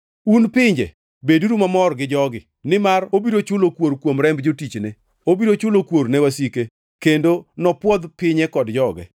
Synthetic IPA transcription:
unpɪɲd͡ʒḛ | beduɾumamɔrɡɪd͡ʒɔɡɪ | nɪmarobiɾot͡ʃʊlokwoɾkwomɾɛmbd͡ʒotit͡ʃnɪ | obiɾot͡ʃʊlokwoɾnɛwasike | kendonɔpwɔd̪pɪɲɛkɔdd͡ʒɔɡɛ̰

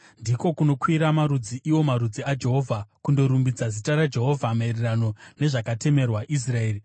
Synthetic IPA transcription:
ndiko̞kuno̞kwiɾamaɾud͡ziʔiwo̞maɾud͡ziad͡ʒe̞ɦo̞ːvʱakundo̞ɾumbid͡zazitaɾad͡ʒe̞ɦo̞vʱamarirano̞ne̞ʐakate̞me̞rwaʔis̬rae̞ːri

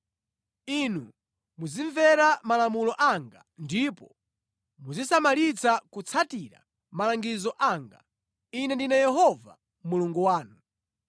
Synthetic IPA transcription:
inu | muziɱvɛɾamalamulɔʔaŋɡa̰ndipɔ | muzisamalit͡sʰakut͡sʰatiɾa̰ | malaŋɡizɔʔaŋɡa̰ | inɛndinajɛɦɔva̰ | muluŋɡuwaːnu

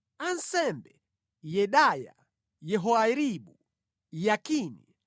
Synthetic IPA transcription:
an̩sɛmbɛ | jɛɗaja̰ | jɛɦɔaɾiɓu | jakinḭ

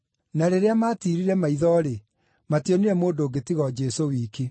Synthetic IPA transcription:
naɾeɾeamaːtiɾiɾɛmaiðɔɾe | matiɔniɾɛmoːdoːɡetiɣɔd͡ʒɛsowiːki

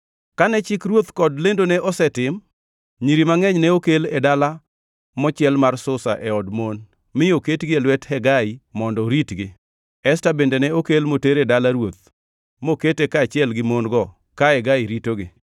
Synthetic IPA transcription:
kanɛt͡ʃɪkɾwot̪kɔdlendonɛʔɔsɛtɪm | ɲiɾimaŋɛɲnɛokeledala | mɔt͡ʃɪɛlmarsʊsa̰ʔɛɔdmon | mɪoketɡɪelwɛthɛɡaimɔndɔɾitɡɪ | ɛstabendenɛokelmoteɾedalaɾwot̪ | moketekaːt͡ʃɪɛlɡɪmonɡɔ | kaɛɡaiɾitoɡɪ

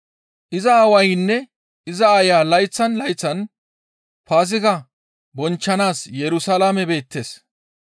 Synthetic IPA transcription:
ʔɪzɐaːwɐjnːɛ | ʔɪzɐajaːlɐjt͡sːɐnlɐjt͡sːɐn | faːs̬ɪkɐ | bɔnt͡ʃːɐnaːsjɛɾʊsɐlaːmɛbe̞ːt̪ːe̞ːs

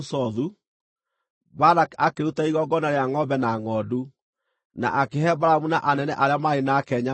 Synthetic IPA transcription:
sɔðu | baɾakakeɾutaiɣɔɡɔnaɾeaŋɔbɛnaŋɔːdu | na̰ʔakeɦɛbaɾamunaʔanɛnɛʔaɾeamaenakɛɲa

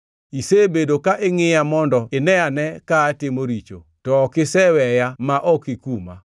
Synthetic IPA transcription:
isebedokaʔɪŋɪjamɔndɔɪnɛanɛkaːtɪmoɾit͡ʃo̰ | tɔːkɪsɛwɛjamaʔɔkɪkuma̰

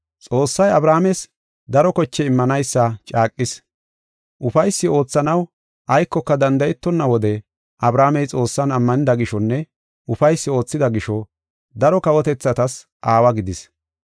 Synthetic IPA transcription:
t͡sʼo̞ːsːɐjɐbɾaːmɛs | d̪ɐɾɔkɔt͡ʃːɛɪmːɐnɐjsːɐt͡ʃʼaːkʼːɪs | ʔʊfɐjsːɪo̞ːt͡sːɐnɐw | ʔɐjkːɔkːɐd̪ɐnd̪ɐjɛt̪ːɔnːɐwɔd̪ɛ | ʔɐbɾaːmɛjt͡sʼo̞ːsːɐnɐmːɐnɪd̪ɐɡɪʃɔnːɛ | ʊfɐjsːɪo̞ːt͡sːɪd̪ɐɡɪʃɔ | d̪ɐɾɔkɐwɔt̪ɛt͡sːɐt̪ɐs | ʔaːwɐɡɪd̪ɪs

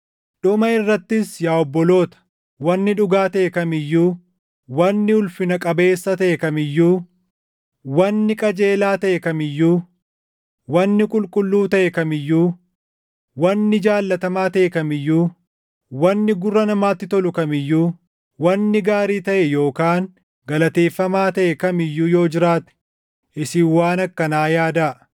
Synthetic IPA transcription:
ᶑʊmɐɪrːɐt̪ːɪsjaːɔbːɔlo̞ːt̪ɐ̥ | wɐnːɪᶑʊɡaːt̪ɐekɐmɪjːuː | wɐnːɪʊlfɪnɐkʼɐbe̞ːsːɐt̪ɐʔɛkɐmɪjːuː | wɐnːɪkʼɐd͡ʒe̞ːlaːt̪ɐʔɛkɐmɪjːuː | wɐnːɪkʼʊlkʼʊlːuːt̪ɐʔɛkɐmɪjːuː | wɐnːɪd͡ʒaːlːɐt̪ɐmaːt̪ɐʔɛkɐmɪjːuː | wɐnːɪɡʊrːɐnɐmaːt̪ːɪt̪ɔlʊkɐmɪjːuː | wɐnːɪɡaːɾiːt̪ɐʔɛjo̞ːkaːŋ | ɡɐlɐt̪e̞ːfːɐmaːt̪ɐʔɛkɐmɪjːuːjo̞ːd͡ʒɪɾaːt̪ɛ̥ | ʔɪsiːwːaːnɐkːɐnaːjaːd̪ɐ

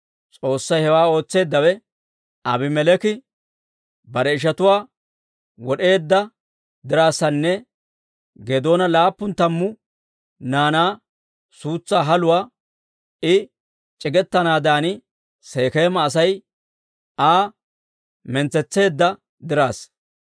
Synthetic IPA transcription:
t͡sʼo̞ːsːɐjhɛwaːo̞ːt͡sːe̞ːd̪ːɐwɛ | ɐbɪmɛlɛkɪ | bɐɾɛɪʃ̬ɐt̪ʊwaː | wɔɗe̞ːd̪ːɐ | d̪ɪɾaːsːɐnːɛ | ɡeːd̪o̞ːnɐlaːpːʊnt̪ɐmːʊ | naːnaː | suːt͡sːaːɦɐlʊwaː | ɪ | t͡ʃʼɪɡɛt̪ːɐnaːd̪aːnɪ | se̞ːke̞ːmːɐːs̬ɐj | ʔaː | mɛnt͡sːɛt͡sːe̞ːd̪ːɐ | d̪ɪɾaːs

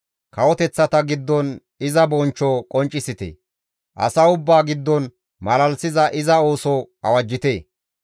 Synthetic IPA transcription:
kɐwɔt̪ɛt͡sːɐt̪ɐɡɪd̪ːɔn | ɪzɐbɔnt͡ʃːɔkʼɔnt͡ʃʼːɪsɪt̪ḛ | ʔɐ̰sɐʊbːaːɡɪd̪ːɔn | mɐlɐlsɪzɐʔɪzɐo̞ːsɔ | ɐ̰wɐd͡ʒːɪt̪eː

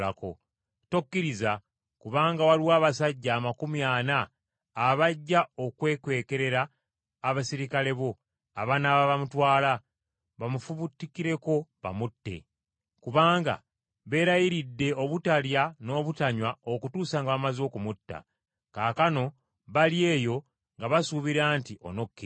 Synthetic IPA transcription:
ako̞̰ | tokːiɾiza | kuβaːŋɡawaliwaːβasaɟːaːmakumjaːnaː | βaɟːao̞kwe̞ːkwe̞ːke̞ɾe̞ɾaː | βasiɾikale̞βo̞ | aβanaβaβamutwaːla | βamufuβutːikiɾe̞ko̞βa̰mutːe̞̰ | kuβaːŋɡa̰ | βe̞ːɾajiɾidːe̞o̞βutaljano̞ːβutaɲwao̞kutuːsaŋɡaβamazo̞ːkumutːa̰ | kaːkano̞ | βalje̞ːjo̞ | ŋɡaβasuβiɾaːntiʔo̰no̞kːe

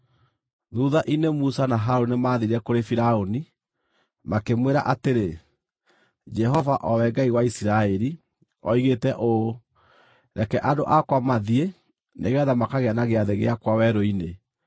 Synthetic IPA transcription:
ðuːðaʔinemusanaɦaɾonemaːðeiɾɛkoɾefiɾaoni | makemweɾa̰ʔateɾe | d͡ʒɛɦɔvaʔɔwɛɡaiɣwaisiɾaɛɾi | ɔiɣetɛʔo | ɾɛkɛʔadoʔakwamaðie | neɣɛðamakaɣeanaɣeaðeɣḛakwawɛɾɔine

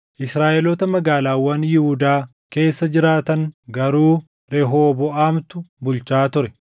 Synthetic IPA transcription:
ʔɪsɾaːʔɛlɔt̪ɐmɐɡaːlaːwːɐnjɪhʊd̪aː | ke̞ːsːɐd͡ʒɪɾaːt̪ɐŋɡɐɾuː | ɾɛɦoːbɔaːmt̪ʊbʊlt͡ʃaːt̪ʊɾɛ

